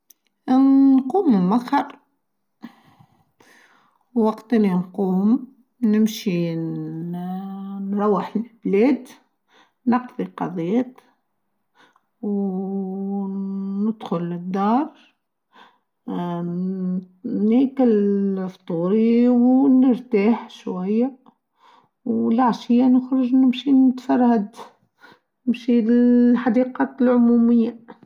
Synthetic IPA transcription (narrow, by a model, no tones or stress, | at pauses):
nquːmːɪnmaɣhɑɾˤ | wɑqt̪ninquːm | nɪmʃi | nɾˤɑwːəħlblɛːd̪ | nɑqðˤiqɑðˤijæt̪ | w | nɪd̪xʊlɪd̪ːɑːɾˤ | nikalft̪ˤuːɾiwnəɾt̪aːħʃwajːa | wlaʕʃɪjːanʊxɾʊʒnɪmʃinɪt̪fɑɾˤhad̪ | nɪmʃiħɑd̪iqɑːt̪lʕʊmumɪjːa